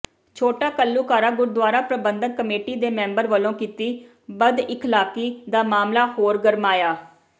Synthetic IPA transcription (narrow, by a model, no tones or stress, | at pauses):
t͡ʃʰoːʈaːkəlːuːkaːɾaːɡʊɾd̪waːɾaːpɾəbənd̪əːəmeːʈiːd̪eːmɛ̃ːmbəɾʋəlõːkiːt̪iː | bəd̪ɪkʰlaːkiːd̪aːmaːmlaːhoːɾɡəɾmaːjaː